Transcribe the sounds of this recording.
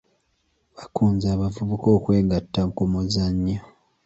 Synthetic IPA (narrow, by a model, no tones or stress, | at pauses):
βakuːnzaːβavuβuko̞ːkwe̞ːŋɡatːamukomozaɲːo